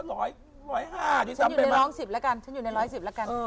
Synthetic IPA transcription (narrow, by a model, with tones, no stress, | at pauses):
ɾɔː˦˥j | ɾɔː˨˦˥jɦaː˧˩˨i˧˦t͡ɕa˧nɲu˨˧˩n˧ɾɔː˦˥ŋsi˨˩p̚la˦˥ka˧nt͡ɕʰa˦˥nju˨˩na˧jɾɔː˦˥jsi˨˩p̚la˦˥ka˧nəː˧